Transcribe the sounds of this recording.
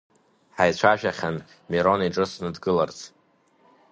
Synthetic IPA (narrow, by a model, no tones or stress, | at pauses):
ħajt͡ɕʷʰaʒᶣaχʲan | miɾo̞niʈ͡ʂʼɨsnɨdɡɨlart͡sʰʼ